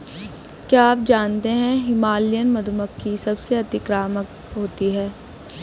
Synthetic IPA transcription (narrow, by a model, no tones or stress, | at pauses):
kjaːaːp̚d͡ʒaːnt̪eɦɛ̃ɦɪmaːlijənmɐd̪məkːisɐbseɐt̪ɪkɾaːmək | ɦoːt̪iɦɛː